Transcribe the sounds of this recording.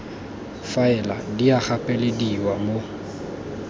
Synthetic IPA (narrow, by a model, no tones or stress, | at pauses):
faɛladiaχapʼɛlɪdiwamo